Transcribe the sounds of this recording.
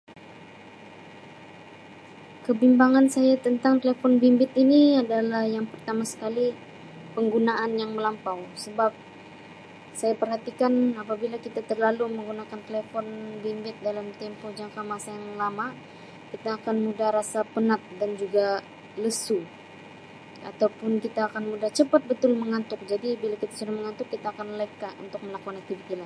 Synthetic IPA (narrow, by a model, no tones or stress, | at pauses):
kəbimbaŋansajat̪ənt̪aŋt̪elefɔnbimbɪt̪iniadalahjaŋpərt̪amasə̥kali | pəŋɡunaʔanjaŋməlampawsəbap̚ | sajapərɦat̪ikanapabilakit̪at̪ərlaluməŋɡunakant̪elefɔnbimbɪt̪̚dalamt̪ɛmpod͡ʒaŋkamasajaŋlama | kit̪aːkanmudahɾasapənat̪̚dand͡ʒuɡa | ləsu | a̰t̪awpʊnkit̪aːkanmudaht͡ʃəpat̪̚bət̪ʊlməŋat̪ʊk̚d͡ʒadibilakit̪ḁsudahməŋat̪ʊkːit̪aːkanlek̚kaʔṵnt̪ʊk̚məlakuanak̚t̪ifit̪ila